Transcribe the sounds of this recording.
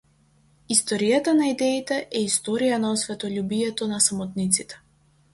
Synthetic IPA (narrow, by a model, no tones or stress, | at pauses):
ist̪ɔɾijat̪anaid̪ɛit̪ɛʔɛist̪ɔɾijanaɔsvɛt̪ɔlʲubijɛt̪ɔnasamɔt̪nit̪sit̪ɛ̥